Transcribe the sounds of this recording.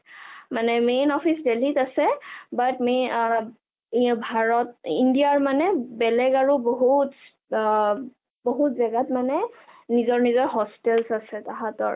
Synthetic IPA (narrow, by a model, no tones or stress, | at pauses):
manɛmenɔpʰisdelitasɛbatme | bʱaɹɔtḭndijaɹmanɛbɛlɛɡaɹuboɦut | boɦutzaɡatmanɛnizɔɹnizɔɹɦɔstɛlsasɛtaɦatɔɹ